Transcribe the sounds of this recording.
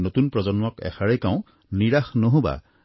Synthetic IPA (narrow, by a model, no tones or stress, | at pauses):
notunpɹɔzɔnmɔkɛ̰xaɹekaʊ̃ | niɹaxnoɦõba̰